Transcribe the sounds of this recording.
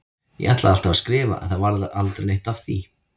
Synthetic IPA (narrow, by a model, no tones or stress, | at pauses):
jɛ̰ʔaht̪laðal̥t̪avaskɾɪːva̰a̰ðθaðvaɾðʏʔalt̪ɾenejht̪avθi